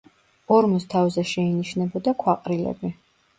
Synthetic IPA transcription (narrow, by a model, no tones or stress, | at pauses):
ɔɾmɔst̪ʰavzɛʃɛiniʃnɛbɔd̪akʰwaqʼɾilɛ̰bi